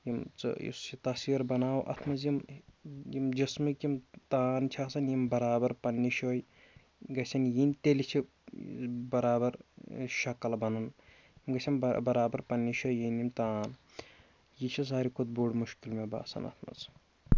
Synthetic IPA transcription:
jimt͡sɨ̰jḭsit̪ɐsiɾbɐnaːwʔɐ̰t̪ʰmɐzjim | jimd͡ʒɐsmɨkimt̪aːnt͡ʃʰaːsɐnjimbɐɾaːbɐɾpɐnːiʃoːj | ɡɐsʰʲɐnjinʲt̪elit͡ʃʰi | bɐɾaːbɐɾʃɐkɐlbɐnɐn | jimɡɐsʰʲɐmbbɐɾaːbɐɾpɐnːiʃoːjjinimt̪aːn | jit͡ʃʰis̬aːɾikʰud̪̚boɖmuʃkilmeba̰ːsɐ̰nɐ̰t̪ʰmɐ̰z

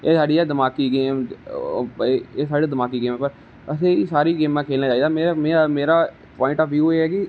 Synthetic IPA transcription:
eːsaːɖiːɛːd̪əmaːkiːɡeːm | eːsaːɖeːd̪əmaːkiːɡeːmɛːpəɾ | əsẽːisaːɾiːɡeːmːãːkʰeːlnaːt͡ʃaːiːd̪aːmeːmeːameːɾaː | pɔːɪ̃ɳʈɔːpjuːeːɦɛːkɪ

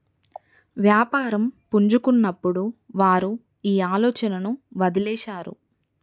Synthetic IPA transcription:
ʋjaːpaːɾɐmpuɲd͡ʒukunːɐpːuɽuʋaːɾu | iːaːlɔːt͡ʃɐnɐnuʋɐd̪ilɛːʃaːɾṵ

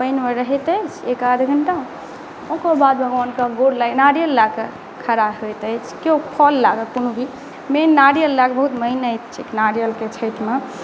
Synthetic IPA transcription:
pəɪnmeɾəɦɛt̪əjt͡ʃʰekad̪ʱɡʱəɳʈa | õkobad̪bʱəɡənkaɡoɽlanaɾijəlːake | kʰəɾaɦojt̪əjt͡ʃʰkeopʰɔlːaɡəkonubʱi | menːaɾijəlːakbəɦut̪məɪnəjt̪t͡ʃʰiknaɾijəlket͡ʃʰəjt̪me

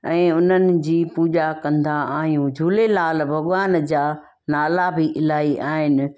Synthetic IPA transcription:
ɛ̃ːʊn̤ənɪ̆d͡ʑiːpuːd͡ʑakɐ̃nd̪aaːɦijũd͡ʑʱuːlelaːlbʱɐɠʊʋaːnd͡ʑaː | naːlabɪʔɪlaːiʔaːɦɪnɪ̆

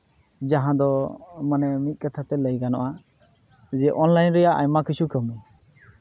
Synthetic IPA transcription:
d͡ʒaɦãd̪ɔmanɛmit̪̚ˀkat̪ʰat̪ɛləjɡanɔ̰ʔa | d͡ʒɛʔɔnlajnɾɛjaʔajmakisʰukəmɛ

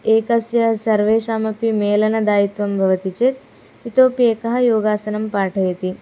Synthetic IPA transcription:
eːkɐsjɐɐsɐɾʋeːʃaːmɐpimeːlɐnɐd̪aːjit̪ʋɐmbʱɐʋɐt̪it͡ʃeːt̪̚ | it̪oːpeːkɐɦɐ̆joːɡaːsɐnɐmpaːʈʰɐjɐt̪i

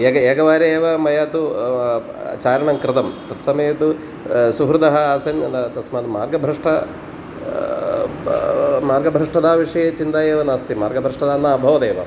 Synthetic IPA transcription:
eɡɐeːɡɐʋaːɾɐeːʋɐmɐjaːt̪ṵ | t͡ʃaːɾɐɳɐŋkɾɪt̪ɐmt̪ɐt̪sɐmɐjɐt̪u | suɦɾud̪ɐɦɐaːsɐŋɐd̪ɐt̪ɐsmaːd̪umaːɾɡɐbʱɾɐʂʈɐ | maːɾɡɐbʱɾɐʂʈɐd̪aːʋiʂɐjet͡ʃint̪aːjeːʋɐnaːst̪imaːɾɡɐbʱɾɐʂʈɐd̪aːnaːbʱɐʋɐd̪eːʋɐ̰

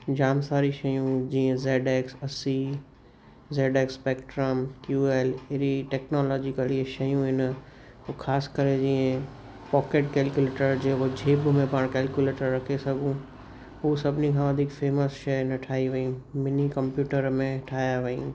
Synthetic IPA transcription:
d͡ʑaːmsaːɾiʃɐjũd͡ʑiːə̃zeːɖeːksɐsi | zeːɖeːkspeːkʈɾəmkjuːeːlɪɾiʈɛːknoːlɔːd͡ʑikəliʃɐjũɦɪn | kʰaːskəɾed͡ʑiːə̃ | pɔːkeːʈkeːlkuleːʈəɾd͡ʑeːɦod͡ʑʱeːbmẽpaːɽ̃kɛːlkjuleːʈəɾːɐkʰesɐɡʱũ | ɦuːsɐbʱɪnikʰãʋɐd̪ʱɪkfeːməsʃɐnɐʈʰaːiʋɐĩmɪnikɐ̃mpjuːʈəɾmẽʈʰaːjaʋɐḭ̃

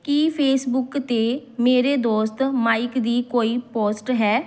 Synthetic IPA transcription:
kipʰeːsbʊkt̪eːmeːɾeːd̪oːst̪maːikd̪iːkoːiːpoːsʈɦɛː

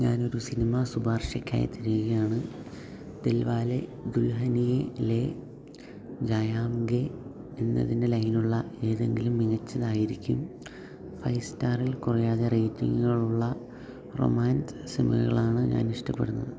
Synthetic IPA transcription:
ɲaːno̞ɾusinimɐsubaːrʂɐkʲːa̰ːjɐ̰t̪ʰːiɾijɣɐjaːɳɨ | d̪̥elʋaːle̞ɡulɦɐnijele̞ | d͡ʑajaːmɡe | enːɐ̰ðinde̞lɐjnuɭːɐe̞ːðe̞ŋɡilumːiŋɐt͡ɕːɐðaːjiɾikʲːum | fɐjstaːrilkurɐjaːðe̞rejtːiŋɡuɣɐɭuɭːɐ | ro̰maːnssimɐ̰ɣɐ̰ɣɐ̰ɭaːɳɨɲa̰ːniʂʈɐpːeɽunːɐ̰ðɨ

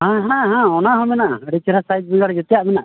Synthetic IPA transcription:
ɦãɦãɦãɔnaɦɔ̃mɛnaʔəɽɛt͡ʃɛɾasajt̪̚biŋɡaɽɛd͡ʒɔt̪ɛjaʔmɛnaʔ

